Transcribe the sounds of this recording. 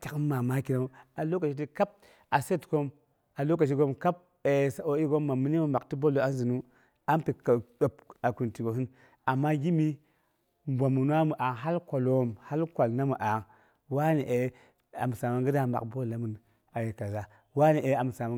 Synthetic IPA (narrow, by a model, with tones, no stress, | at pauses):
ta˨kːa˨ma˦ki˨na˦a˨lo˦ka˨t͡ʃi˦t̬i˦ka˦p̚ | a˨se˦tko˦m | a˨lo˦k̬a˨t͡ʃ̬i˦ɡo˦mka˦p̚ | e˨sa˨o˦i˦ɡo˦mːa˨mi˦ni˦mu˦ma˨kti˦bo˦lo˨˦a˦n˦zi˨nu˦ | a˦npi˨ɗo˨p̚a˨ku˨nti˨ɡo˨ɦi˦ | a˨mːa˦ɡi˦mi˦ | bʷa˨mu˨n˦a˦mu˨ʔa˨ŋɦa˦lkʷa˨lo˦˨mha˦lkʷa˨lna˦mu˨ʔa˨ŋ | wa˦ni˨ʔe˨ | a̰˨m˨sa˨ma˨ŋɡɨ˦da˨ma̰˨bo˦la˨mu˨n | a˨je˨ka˨za˨ | wa˦ni˨ʔe˨˦a˨m˨sa˨ma˨˦